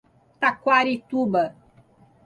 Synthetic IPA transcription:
t̪akʷaɾit̪uba

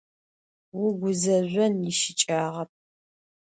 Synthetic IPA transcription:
wʊɡʷʊzɐʑʷɔnjɪʃɪt͡ʃʼaːʁɐp̚

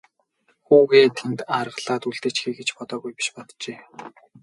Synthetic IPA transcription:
xuːɣeːt̪ʰent̪arʁə̆ɮaːt̪uɮt̪eːt͡ɕxeːɡet͡ɕpɔt̪ɔːɣujpi̥ʃpɔt̪t͡ɕeː

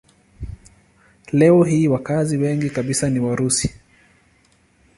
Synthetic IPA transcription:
lɛɔɦiːwakaziwɛŋɡikaɓisaniwaɾusi̥

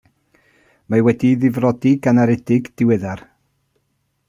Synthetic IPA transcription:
mawɛdiðɪvrɔdiɡanaɾɛdɪɡd̥ɪwɪðar

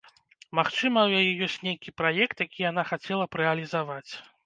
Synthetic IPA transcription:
maxt͡ʂɨmɐwjajɛjɔsʲt͡sʲnʲejkʲipɾajɛkt̪jakʲijan̪axat͡sʲɛlˠɐpɾɛɐlʲizavat͡sʲ

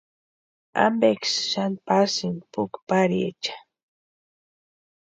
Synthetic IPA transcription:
a̰mbeksʃanpasinpʊkpaɾiḛt͡ʃḁ

